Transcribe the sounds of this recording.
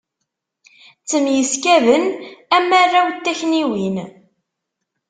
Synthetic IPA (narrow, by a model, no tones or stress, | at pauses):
t͡sːəmjəskævənæmːarːawt̪ːæçniwin